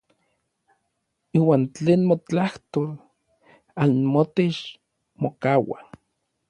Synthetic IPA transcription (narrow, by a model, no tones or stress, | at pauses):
iːwaːnt͡ɬeːnmot͡ɬaht̪ol | anmot̪et͡ʃ | mokawa̰